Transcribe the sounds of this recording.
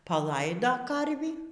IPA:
pɐˈlˠɐɪdoː ˈkɐrʲʋʲiː

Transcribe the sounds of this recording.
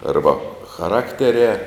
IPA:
ˈɐrbɐ xɐˈrɑːktʲɛrʲɛː

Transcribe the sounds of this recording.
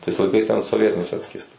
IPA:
tɐɪs lˠɐɪˈkɐɪs tʲɛn soːˈʋʲiɛtʲɪnʲɛɪs ˈɑːtʲsʲkʲiɛstɐ

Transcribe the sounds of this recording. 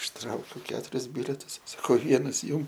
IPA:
ɪʃˈtrɐʊkʲʊ ˈkʲæːtʊrʲɪs ˈbʲɪlʲɛtʊs sɐˈkɐʊ ˈʋʲiɛnɐs ˈjʊm

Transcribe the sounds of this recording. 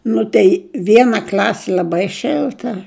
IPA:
ˈnʊ tʲɛɪ ˈʋʲiɛnɐ ˈklʲɑːsʲɪ lʲɐˈbɐɪ ˈʃʲɪlˠtɐ

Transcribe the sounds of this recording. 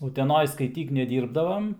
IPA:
ʊtʲɛˈnoːj skɐɪˈtʲiːk nʲɛˈdʲiːrbdɐʋɐm

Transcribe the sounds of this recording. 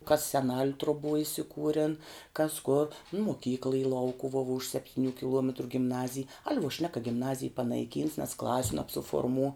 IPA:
kɐs sʲɛˈnɐlʲ trʊˈbuɔ ɪsʲɪˈkuːrʲɛn kɐs koːr nʊ moːˈkʲiːklˠɐ iː ˈlˠɐʊkʊʋuɔ ʋuɔ ʊʃ sʲɛpʲˈtʲiːnʲʊ kʲɪˈlˠuɔmʲɛtrʊ ɡʲɪmˈnɑːzʲɪj ɐlʲ ʋuɔ ʃʲnʲɛk kɐ ɡʲɪmˈnɑːzʲɪj pɐnɐɪˈkʲiːns nʲɛs ˈklˠɑːsʲʊ nɐpsʊfoːrˈmuː

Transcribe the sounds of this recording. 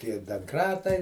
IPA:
tʲiɛ dɐŋˈkrɑːtɐɪ

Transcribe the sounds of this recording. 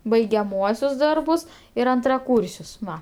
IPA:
bɐɪɡʲɛˈmuɔsʲʊs ˈdɐrbʊs ɪr ɐntrɐˈkuːrʲsʲʊs ˈʋɐ

